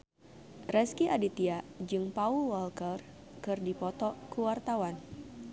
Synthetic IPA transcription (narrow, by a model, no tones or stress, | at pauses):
rɛskiʔadit̪iad͡ʒɨŋpaulwɔlkər | kɨrdipɔt̪ɔkuwart̪awan